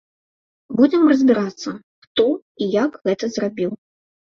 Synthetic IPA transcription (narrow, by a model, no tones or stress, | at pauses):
bud͡zʲɛmrɐzʲbʲiɾat̪sːɐ | xt̪ɔ | ijaɡɣɛt̪ɐzrabʲiw